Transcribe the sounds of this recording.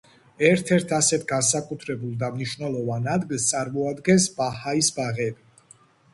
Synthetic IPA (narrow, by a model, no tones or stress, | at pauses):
ɛɾt̪ʰɛɾt̪ʰasɛt̪ʰɡansakʼut̪ʰɾɛbulˠd̪amniʃvnɛlˠɔvanad̪ɡilˠst̪sʼaɾmɔad̪ɡɛnsbahaisbaʁɛbi